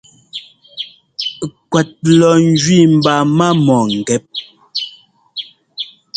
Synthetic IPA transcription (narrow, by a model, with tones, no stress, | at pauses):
kwɛ˨t̚lɔ˨n̩˦d͡ʒɥi˦˨m̩˨ba˨ma˦mɔ˨ŋ̩˨ɡɛ˨˦p̚